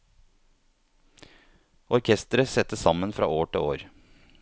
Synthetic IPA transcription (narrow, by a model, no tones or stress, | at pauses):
ɔɾkʰɛst̪əɾəsɛt̪ːəsɑmənfɾɑ̰ːoːʈɪ̰oːɾ